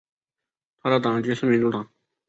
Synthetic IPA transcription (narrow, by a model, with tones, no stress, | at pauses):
t̪ʰa˥ɾa˥t̪ɑ˨ŋd͡ʑø˩˨sʰə˥mi˩˨nt̪u˥˨t̪ɑ˨ŋ